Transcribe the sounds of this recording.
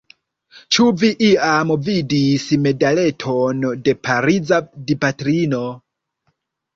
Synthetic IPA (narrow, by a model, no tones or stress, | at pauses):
t͡ʃuviʔiamvidisme̞dale̞tʰonde̞pʰaɾid͡zadipatɾino